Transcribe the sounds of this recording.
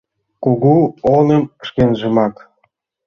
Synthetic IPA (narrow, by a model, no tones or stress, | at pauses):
koɣuonə̆mʃkenʒə̆mɑk